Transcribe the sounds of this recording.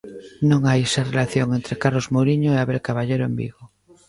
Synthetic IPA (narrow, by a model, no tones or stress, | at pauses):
nõŋajesarelaθjoŋent̪ɾekaɾlozmoɾiɲoeaβelkaβaʎeɾoḛmbḭɣo